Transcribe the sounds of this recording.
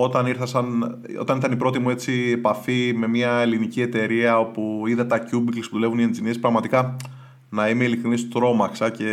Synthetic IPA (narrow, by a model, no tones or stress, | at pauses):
o̞t̪ɐniɾθɐsɐn | o̰t̪ɐniɾθɐnipɾo̞t̪imue̞t͡siepɐfime̞miɐelinicie̞t̪e̞ɾiɐo̞puiðɐt̪ɐcubiklspuðulevunie̞nd͡zinispɾɐɣmɐt̪ikɐ | nɐime̞ilikɾinist̪ot̪ɾo̞mɐksɐce̞